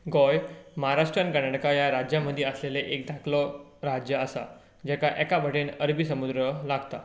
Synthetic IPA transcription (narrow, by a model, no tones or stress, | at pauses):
ɡɔjməɦaɾaʂʈɾankənaʈəkajaɾad͡ʑjaməd̪ʱjeəsleleʔek̚d̪ʱakʰlɔ | ɾad͡ʑjəəsa̰ | d͡ʑɛkaʔɛkabʱəʈenəɾbisəmud̪ɾəlaɡt̪a̰